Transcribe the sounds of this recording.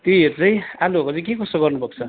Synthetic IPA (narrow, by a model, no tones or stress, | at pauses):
t̪joeɾut͡sʌ̃j̃alubokot͡sʌ̃j̃k̬ekʌsoɡʌrnubʌk̚t͡sʰʌ